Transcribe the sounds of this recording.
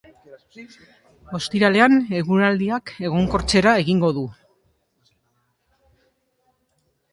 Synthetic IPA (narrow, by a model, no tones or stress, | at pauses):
o̞st̪iɾale̞ane̞ɣuɾald̪iake̞ɣ̞o̞ŋko̞ɾt͡se̞ɾae̞ɣiŋɡo̞ðu